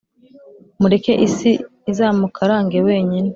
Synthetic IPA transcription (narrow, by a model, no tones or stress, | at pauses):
muɾe̞ke̞ʔisi | izaːmukʰaɾaːŋɡe̞we̞ːɲine